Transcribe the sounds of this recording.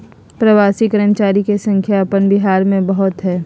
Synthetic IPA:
pɾɐʋaːsikəɾə̃nt͡ʃaːɾikesɐ̃ŋkʰjapənbɪɦaːɾmẽbɐɦʊt̪ɦɛː

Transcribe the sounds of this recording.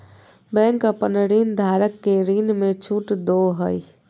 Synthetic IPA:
bɛ̃ːŋkapənəɾiːnd̪ʱaːɾəkːeɾiːnmẽt͡ʃʰuːʈd̪oɦəi

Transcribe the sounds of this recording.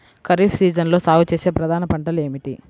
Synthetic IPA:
kɐɾifʰsiːd͡ʒɐnlo̞ːsaːwt͡ʃeːseːpɾɐd̪ʱaːnɐpɐɳʈɐle̞ːmiʈi

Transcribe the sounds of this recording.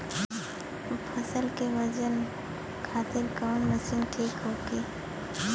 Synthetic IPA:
pʰəsəlkeʋəd͡ʒən | kʰaːt̪ɪɾkaːnməʃiːnʈʰiːkɦoːkiː

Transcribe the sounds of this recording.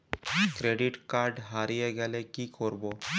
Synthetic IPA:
kɾeɖiʈkaɾɖɦaɾijeɡɛlekikoɾbo

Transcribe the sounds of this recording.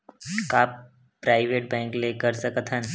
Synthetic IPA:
kaːp | pɾaːɪʋeːʈ̚bɛ̃ːŋklekəɾsəkət̪ʰɦən

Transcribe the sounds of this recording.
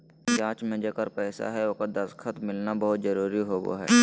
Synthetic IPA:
d͡ʒãːt͡ʃmẽd͡ʒeːkəɾpɛːsa̰ɦɛokad̪ɐskʰət̪mɪlnabəɦʊt̪zɐɾuːɾiɦoːɡo̰ɦɛ̰ː

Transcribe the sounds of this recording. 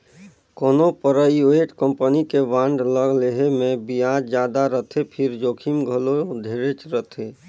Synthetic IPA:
koːnopəɾəjueːʈkə̃mpənikeʋãːɳɖləɡleɦemẽbijaːd͡ʒd͡ʒjaːd̪aɾət̪ʰepʰɪɾd͡ʒoːkʰimɡʱəlod̪ʱeːɾet͡ʃɾət̪ʰe

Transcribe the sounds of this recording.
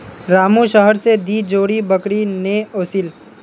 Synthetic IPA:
ɾaːmũʃəɦəɾsed̪iːd͡ʒoːɽibɐkɽineoːsil

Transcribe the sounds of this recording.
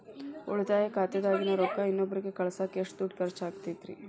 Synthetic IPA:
o̰ɭt̪aːjekaːt̪jɐd̪aːɡinɐɾokːɐinːobːɐɾiɡekɐɭɐsaːkeːʂʈd̪uʈ̚kɐɾt͡ʃaːɡt̪it̪ɾḭ

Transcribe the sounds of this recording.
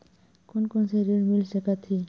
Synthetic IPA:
kʊnkonseɾiɽmilsəkat̪ʰi

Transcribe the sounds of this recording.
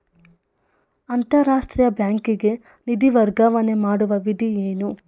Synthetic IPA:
ɐnt̪ɐɾaːʂʈɾijɐbjaːŋkiɡe̞ | nid̪iʋɐɾɡaʋɐne̞maːɽuʋɐʋid̪ʱieːnu

